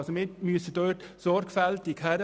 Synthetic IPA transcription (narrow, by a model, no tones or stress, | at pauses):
somɪmyəsəd̥øːtsɔɾkfæltɪkhæɾ